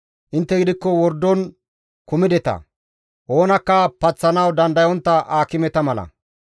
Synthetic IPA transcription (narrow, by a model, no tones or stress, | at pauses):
ʔɪnt̪ːɛɡɪd̪ɪkːɔwɔɾd̪ːɔn | kʊmɪd̪ɛt̪ɐ̰ | ʔo̞ːnɐkːɐpɐt͡sːɐnɐwd̪ɐnd̪ɐjɔnt̪ːɐʔaːkɪmɛt̪ɐmɐlɐ̰